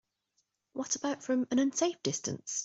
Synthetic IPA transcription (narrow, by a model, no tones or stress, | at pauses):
wɒtəb̥aʊtfɹə̃mə̃nə̃nseɪfd̥ɪstə̰̃ns